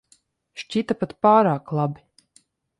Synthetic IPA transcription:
ʃt͡ʃʲit̪apat̪paːɾaːklˠabi

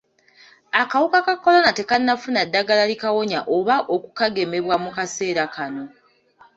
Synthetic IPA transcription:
akawukakakːo̞lo̞nate̞kanːafunadːaɡalalikawo̞ɲaʔoβaʔo̞kukaɡe̞me̞βwamukase̞ːɾakano̞

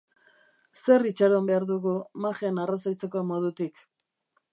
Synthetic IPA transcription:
se̞rit͡ʃaɾombe̞aɾðuɣumaʝe̞narasajt͡se̞ko̞mo̞ð̞ut̪ik

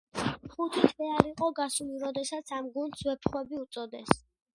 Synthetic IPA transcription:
χut̪ʰit̪ʰʼʁɛaɾiqʼɔɡasuliɾɔd̪ɛsat̪sʰamɡund̪swɛpʰχwɛbiut̪sʼɔd̪ɛs

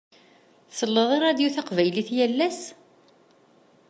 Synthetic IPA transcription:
θsəlːəðˤɑɾˤæd̪juθaqvæjliθjælːæs

